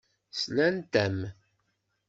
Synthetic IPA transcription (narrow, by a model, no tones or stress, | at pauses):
slænt̪æm